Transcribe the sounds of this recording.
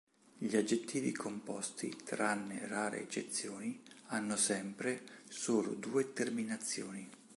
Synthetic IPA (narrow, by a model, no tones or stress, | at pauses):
ʎiad͡ʒːet̪ːiːvḭkʰompɔst̪ḭt̪ɾanːḛraːɾḛːt͡ʃːet̪sːjoːnianːʊsɛmpɾesoːlʊ̰d̪uːet̪erminat̪sːjoːni